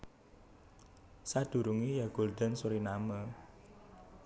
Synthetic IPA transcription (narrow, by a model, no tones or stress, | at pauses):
sad̪̥ṳɾuŋijaɡ̥o̤ld̪a̤nsuɾinamə